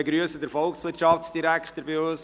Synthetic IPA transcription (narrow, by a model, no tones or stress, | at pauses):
eɡɾyəsədəɾfɔlksʋɪtʃɑfsd̥iɾækχt̪əɾbɪʊs